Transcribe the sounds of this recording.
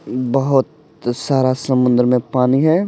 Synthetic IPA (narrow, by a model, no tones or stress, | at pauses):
bɐɦʊt̪̚ | saːɾasɐmʊ̃nd̪əɾmẽpaːniɦɛː